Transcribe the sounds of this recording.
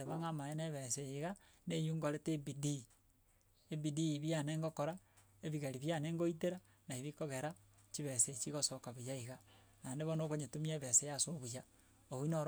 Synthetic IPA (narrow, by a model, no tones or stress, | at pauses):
eβaŋamaeneβesejeɣa | nejuŋɡoɾetebidi | ebidiβianeːŋɡokoɾa | eβiɣaɾiβjaneːŋɡoiteɾa | naeβikoɣeɾa | t͡ʃiβeset͡ʃiɣosokaβijaiɣa | naneβonokoɲetumieβesejasoβuja | oinoɾ